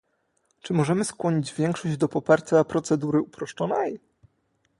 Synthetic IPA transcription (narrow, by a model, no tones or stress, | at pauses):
t͡ʂɘmɔʐɛmɘskwɔɲid͡ʑvʲjɛŋkʂɔʑd͡ʑd̪ɔpɔpaɾt͡ɕapɾɔt̪sɛd̪uɾɘupɾɔʂt͡ʂɔnɛj